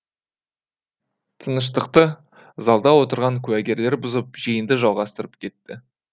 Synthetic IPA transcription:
t̪ʰənəʃ̬t̪əqt̪ə | zɑlˠd̪ɑwo̞t̪əɾʁɑŋkʲʰʉwæɡʲe̞ɾle̞ɾbʊzəp̚ʒijənd̪əʒɑlˠʁɑst̪əɾəp̚kʲʰe̞t̪ːɪ

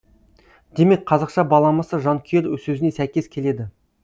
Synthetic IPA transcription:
d̪̥e̞me̞k̚qʰɑzɑqʃɑbɑlˠɑməsəʒɑŋkʲʰieɾwɵzsɵzɪne̞sæjkʲe̞skʲʰe̞le̞d̪ɪ

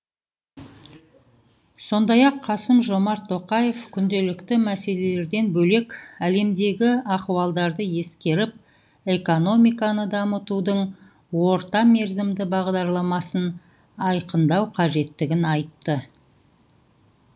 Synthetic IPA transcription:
so̞nd̪ɑjɑqʰːɑsəmʒo̞mɑɾt̪ʰːo̞qɑje̞fkʲʰʏnd̪e̞lɪkt̪ɪmæse̞le̞le̞ɾd̪e̞nbɵle̞kʲæle̞md̪e̞ɡʲɪɑqwɑlˠd̪ɑɾd̪əje̞skʲe̞ɾɪp̚ | e̞ko̞no̞mijkɑnəd̪ɑmət̪ud̪əɴ | wo̞ɾt̪ɑme̞ɾzɪmd̪ɪbɑʁd̪ɑɾlˠɑmɑsən | ɑjqənd̪ɑwqʰɑʒe̞t̪ːɪɡʲɪnɑjt̪ːə

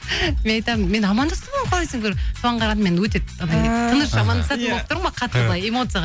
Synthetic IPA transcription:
menɑjt̪ɑmənme̞nɑmɑnd̪ɑst̪əməmqʰoɾesɪŋkʲeɾsʰoɑɴʁɑɾɑnme̞nwɵt̪̬e̞ɑnɑt̪ʰənəʃɑmɑnd̪ɑsɑt̪ənbolˠəp̚t̪ʊɾmɑqʰɑt̪ːəɾlˠɑjemo̞t̪sɨjaʁ

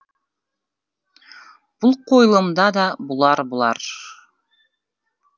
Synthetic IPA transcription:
b̥ulˠqʰojlˠɤmd̪ɑd̪ɑbulˠɑɾbulˠɑ̰ɾ

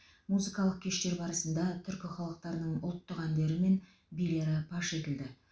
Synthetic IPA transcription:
muzɨkɑlˠəq̚kʲʰe̞ʃt̪e̞ɾbɑɾəsənd̪ɑt̪ʰʏɾkʲɪχɑlˠəq̚t̪ɑɾnəɴʊ̰lˠt̪ːəqænd̪e̞ɾɪme̞n | bijle̞ɾɪpʰɑʃe̞t̪ɪld̪ɪ

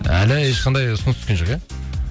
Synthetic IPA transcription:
æ̰lɪeʃqʰɑnd̪ɑjsʊnəskʲenʒo̞qja

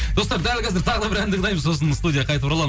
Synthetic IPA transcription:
d̪o̞st̪ɑɾd̪ælkʲɑzɪɾt̪ʰɑʁəd̪ɑbɪɾænd̪ɪk̚d̪ɑjməzso̞s̬ənst̪ud̪ʲijaqʰɑjt̪əpuɾɑlˠɑm

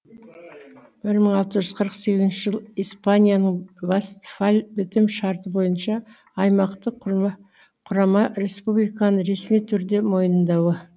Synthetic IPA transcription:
b̥ɪɾməɴɑlˠt̪əʒʏzqʰəɾəqse̞ɡʲɪzɪnʃɪʒəlˠijspanʲijanəɴvast̪falʲbɪt̪ɪmʃɑɾt̪əbo̞jənʃɑː | jmɑqt̪ə | qʰʊɾɑmɑɾe̞spublijkɑnəɾe̞smijt̪ʰʏɾd̪e̞mo̞jənənd̪ɑwə

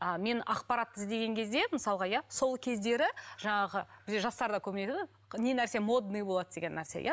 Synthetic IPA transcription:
əme̞nɑqpɑɾɑt̪̚ːəzd̪e̞ɡʲe̞ŋkʲʰe̞zd̪e̞məsɑlˠʁɑjaso̞lˠkʲʰe̞zd̪e̞ɾɪʒ̥ɑɴɑʁəb̥ɪzd̪ʲeʒɑst̪ɑɾd̪ɑkʲʰɵbɪnet̪ɪd̪ɪ | ne̞næɾse̞mo̞d̪nɨjbo̞lˠɑd̪əd̪e̞ɡʲe̞nːæɾsḛjʔa̰

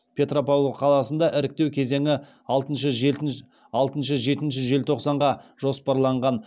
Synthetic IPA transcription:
pʰe̞t̪ropowoqʰɑlˠɑsənd̪ɑʔɪɾɪk̚t̪e̞wkʲʰe̞ze̞ŋɪ | ɑlˠt̪ənʃə | ɑlˠt̪ənʃəʒe̞t̪ɪnʃɪʒe̞lt̪ʰo̞qsɑɴʁɑʒ̥o̞spɑɾlˠɑɴʁɑn

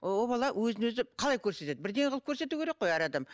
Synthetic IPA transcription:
wobɑlˠɑwɵzɪnwɵzɪqʰɑlˠɑjkʲʰɵɾset̪e̞d̪ɪbɪɾd̪e̞ŋʁəlˠəpkʲʰɵɾse̞t̪uwkʲeɾe̞qːo̞jæɾɑd̪ɑm

